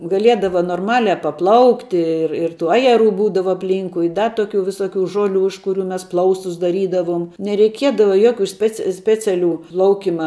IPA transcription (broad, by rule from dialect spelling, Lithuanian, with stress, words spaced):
ɡɐˈlʲiɛdɐʋɐ noːrˈmɑːlʲɛ pɐˈplˠɐʊktʲɪ ˈɪr ɪr tuː ˈɑːjɛˌruː ˈbuːdɐʋɐ ɐpʲˈlʲiːŋkʊɪ ɪ ˈdɐ ˈtoːˌkʲuː ʋʲɪˈsoːˌkʲuː ˈʒoːˌlʲuː ɪʃ kʊˈrʲuː mʲɛs ˈplˠɐʊstʊs dɐˈrʲiːdɐʋʊm nʲɛrʲɛɪˈkʲiɛdɐʋɐ ˈjoːˌkʲuː ˈsʲpʲɛt͡s ˈsʲpʲæːt͡sʲɛˌlʲuː ˈplˠɐʊkʲɪmɐ